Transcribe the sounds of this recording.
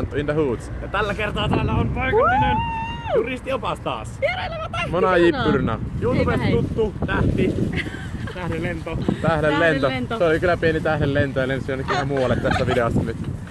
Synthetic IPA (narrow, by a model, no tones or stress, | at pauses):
nt̪ːind̪æhuːt̪sjɑt̪ælːækert̪ɑːt̪æːlːæonpoikɑinenjurist̪iopɑst̪ɑ̰ːs | monɑjipːyrnɑjuːt̪upet̪t̪ut̪ːut̪æht̪i | t̪æhelent̪ot̪æhlellent̪onseolikylːˑæpienit̪æhlellent̪ojɑlensonːækːylːæmuːwɑlːet̪t̪æsːæʋideosːɑnyt̪ː